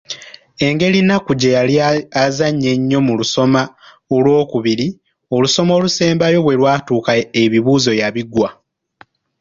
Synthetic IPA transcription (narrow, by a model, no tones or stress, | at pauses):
e̞ŋɡe̞linakuɟejaliazaɲːe̞ɲːo̞muluso̞ma | olwo̞ːkuβiɾi | o̞luso̞moluse̞ːmbajo̞βwe̞lwaːtuːkaeβiβuːzo̞jaβiɡwa